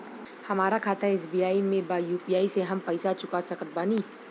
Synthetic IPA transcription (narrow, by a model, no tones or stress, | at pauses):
hɐmaːɾakʰaːt̪ʰaeːs̬biːaːimẽbajuːpiːjaːiseɦɐmpɐɪsat͡ʃʊkasɐkət̪̚baːniː